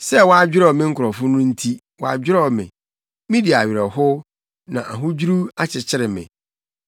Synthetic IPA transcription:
sɛ˦wɔ˦a˦d͡ʑᶣɪ˦ɾɔ˨mɪ̃˦ŋ̩˦kʰʊ˨ɾɔ˨fʊ˦nʊ̃˦n̩˦tʰi˦ | wɔ˨a̰˨d͡ʑᶣɪ˦ɾɔ˦˨mɪ̰̃˨ | mĩ˦di˨a˨ɥɪ˨ɾɛ˨hʊ˦ | nã̰˨ʔa˨ɦʊ̃˦d͡ʑu˦ɾu˦a˦t͡ɕʰɪ˨t͡ɕʰɪ˦ɾɪ˨mɪ̰̃˨

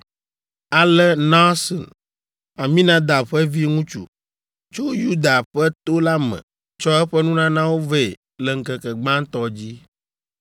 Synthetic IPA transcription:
a˨lɛ˦nã˦sɔ̰˨n | a˨mĩ˦nã˦d̪a˨ɸɛ˦vi˦ŋũ˦t͡ʃṵ˨ | t͡ʃo˦ju˦d̪a˨ɸɛ˦t̪o˦la˦mɛ̰̃˨ | t͡ʃɔ˦ɛ˦ɸɛ˦nũ˦nã˦nã˦wo˦vɛ˦˨ | lɛ˨ŋ̩˨kɛ˨kɛ˨ɡ͡bã˦ŋ̩˦t̪ɔ˦d͡ʑi˦

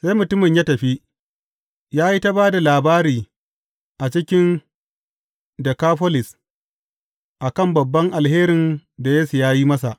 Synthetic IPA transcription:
sa˦jmʊ˨tʊ˦mɪ˨ɲjaː˦tɐ˨ɸi˦ | jaː˦ji˦ta˦baː˦da˨laː˨baː˦ɾiː˨ | ʔa˨t͡ʃɪ˦kʲɪ˦n | dɐ˨kaː˦ɸɔ˦lɪ˨s | ʔa˨kɐ˦mbɐ˨bːɐ˦ŋʔa˨lheː˦ɾɪ˨nda˨jeː˦su˨jaː˦ji˦mɐ˦sa˨ʔ

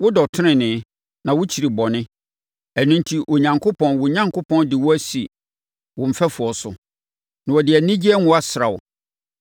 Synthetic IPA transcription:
wʊ˦dɔ˨tʰɪ˦nɪ̃˨nɪ̃˨˦ | nã˨wʊ˦t͡ɕʰi˨ɾi˨bɔ˨nɪ̃˦ | æ˨nũ˦n˦tʰi˨ʔo˨ɲã˨ŋkʰo˦pʰɔ̃˨nwʊ˨ɲã˦ŋkʰʊ˦pʰɔ̃˦ndɪ˨wʊ˦æ˦si˨ | wʊ̃˨m̩˨fɛ˦fʊ˨ɔ˨sʊ̰˨ | nã˨wɔ˨dɪ˨æ˨nĩ˦d͡ʑi˦ɛ˦ŋʊ̃˦a˦sɾa˨wɔ̰˨

